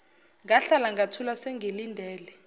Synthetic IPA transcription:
ŋɡaɬalaŋɡʱatʰulasɛŋɡʱelindʱɛːlɛ

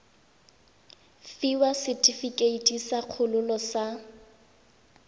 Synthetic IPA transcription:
fiwasɪtʼifikʼeitʼisaq͡χʰʊlʊlɔsa

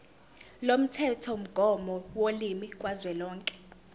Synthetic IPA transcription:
lom̩tʰɛtʰɔm̩ɡ̥ʱɔmɔwolimikʼwazwɛlɔːŋkʼɛ̥

